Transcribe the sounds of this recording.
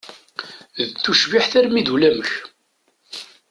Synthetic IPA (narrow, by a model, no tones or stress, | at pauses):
ðt͡sːuʃviħθæɾmiðulæməç